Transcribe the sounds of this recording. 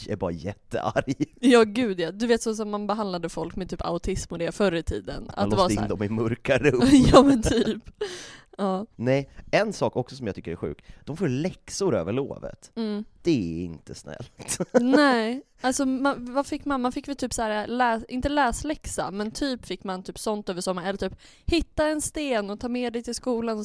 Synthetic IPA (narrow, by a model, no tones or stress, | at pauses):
æ̰ɾbɑ̰ːɾajɛt̪ːə̰ʔa̰ɾjjɑːɡʉ̟ːd̪jad̪ɵveːt̪sɔs̬ɔmːanbɛɦand̪lad̪əfɔlkmɛt̪ʰyːpa̰ʊt̪ʰɪsmɔd̪ɛfœɾːət̪ʰḭːd̪ə̰nʔa̰vːɪnd̪ɔmɪmɵɾkaɾɵmjɑːmɛnt̪ʰyːp | ɑːnɛjɛnsɑːkɔksɔsɔmjɑɡt̪ʏ̥kːəɾæɧʉ̟ːk̚d̪̥ɔmfoːɾlɛksʊɾø̰ːvəɭo̰ːvə̰t̪m̩ːd̪̥ɛɛɪ̰nt̪ʰəsnɛ̰lt̪nɛ | alsɔmanvafɪkːmanmanfɪkːvɛlt̪yːpsæːɾalɛːsɪnt̪əlɛːslɛksa̰mɛnt̪ʰyːpfɪkːmant̪ʰyːpsɔnt̪øːvəʂɔmːaɾɛlːəɾʈ̪ʰyːp | hɪt̪ːaɛnst̪eːnɔt̪ʰɑːmeːd̪ɛjt̪ɪlskuːlanɔ